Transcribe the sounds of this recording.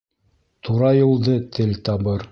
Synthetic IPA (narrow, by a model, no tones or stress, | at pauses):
t̪uɾɑjŭlˠd̪ɤt̪ʰɘlt̪ɑbɤɾ